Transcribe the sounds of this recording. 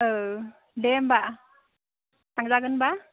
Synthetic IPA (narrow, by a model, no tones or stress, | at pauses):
ʔəː | ɗɛɛmɓa̰ː | t̪ʰaŋzaːɣənɓaː